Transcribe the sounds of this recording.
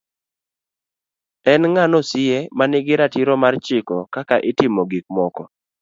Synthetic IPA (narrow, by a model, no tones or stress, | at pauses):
ɛnŋanosɪjemanɪɡɪɾatiɾɔmart͡ʃɪkɔkakaʔɪtɪmoɡik̚mɔkɔ